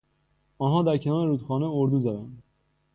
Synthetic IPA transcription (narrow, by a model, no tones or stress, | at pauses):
ɒːnɦɒːd̪æɾcʰenɒːɾeɾuːt̪xɒːneoɾd̪uːzæd̪ænd̪